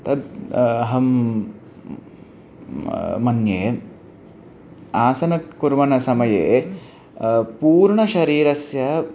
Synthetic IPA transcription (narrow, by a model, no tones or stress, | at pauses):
t̪ɐd̪ɐɦɐm | mɐnjeː | aːsɐnɐkuɾʋɐnɐsɐmɐjeː | puːɾɳɐʃɐɾiːɾɐsjɐ